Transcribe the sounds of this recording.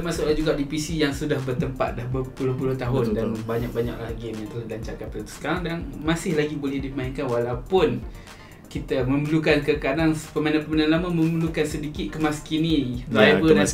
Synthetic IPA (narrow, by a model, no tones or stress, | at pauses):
əmasʊʔlad͡ʒuɡaʔdipisijaŋsudahbərt̪əmpa̰t̪̚lahbəpulʊhpulʊht̪aɦʊndanbaɲak̚baɲa̰klaɡɪmjaŋəlalaɲt͡ʃarkanpadat̪u̥sə̥kaɾaŋdanmasɪhlaɡibolɛhdimainkanwalawpʊn | kit̪aməməlukankəkadaŋpəmanãpəmanãnlamamə̃məlukansədikɪt̪̚kəmaskiniaba